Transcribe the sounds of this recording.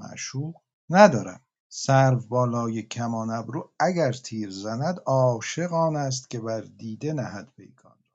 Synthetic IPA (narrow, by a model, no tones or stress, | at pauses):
æ̰ʔʃuːʁ | næd̪ɒːɾæm | sæɾvbɒːlɒːjecʰæmɒːnæbɾuːæɡæɾt̪ʰiːɾzænæd̪ɒːʃe̞ɣɒːnæs̬t̪cʲʰe̞bæɾd̪iːd̪enæhæd̪pʰḛjkʰɒ̰ːnɾ